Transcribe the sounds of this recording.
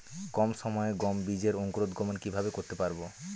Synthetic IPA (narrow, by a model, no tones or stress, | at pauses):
kɔmʃɔmɔeɡɔmbid͡ʑeɾoŋkoɾod̪ɡʱɔmonkibʱabekoɾt̪epaɾbo